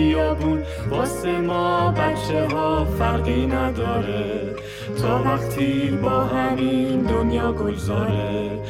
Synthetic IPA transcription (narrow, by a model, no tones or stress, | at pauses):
ijɒːbun | bɒːsemɔːbæʃeɦɒːfæɾɢinæd̪ɒːɾe | t̪ʰɒːvæχt̪ʰibɒːhæmind̪onjɒːɡoɡzɒːɾe